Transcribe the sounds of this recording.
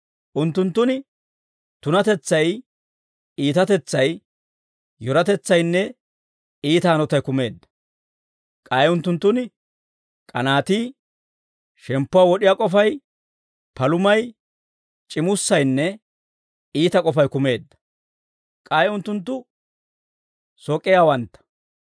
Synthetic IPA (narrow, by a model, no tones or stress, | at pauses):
ʔʊnt̪ːʊnt̪ːʊnɪ | t̪ʊnɐt̪ɛt͡sːɐj | iːt̪ɐt̪ɛt͡sːɐj | jɔɾɐt̪ɛt͡sːɐjnːɛ | iːt̪aːnɔt̪ɐjkʊme̞ːd̪ːɐ̥ | kʼɐːjʊnt̪ːʊnt̪ːʊn | kʼɐnaːt̪iː | ʃɛmpːʊwawɔɗɪjaːkʼɔfɐj | pɐlʊmɐj | t͡ʃʼɪmʊsːɐjnːɛ | iːt̪ɐkʼɔfɐjkʊme̞ːd̪ːɐ̥ | kʼaːjʊnt̪ːʊnt̪ːʊ | sɔkʼːɪjawɐnt̪ːɐ̥